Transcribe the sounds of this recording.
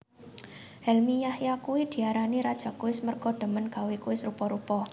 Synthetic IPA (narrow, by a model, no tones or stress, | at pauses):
hɛlmijahjakuwid̪̥i̤aɾaniɾad̥ʒ̥a̤kuwɪsmərkɔɖ̥ə̤mənɡ̥a̤wikuwɪsrupɔɾupɔ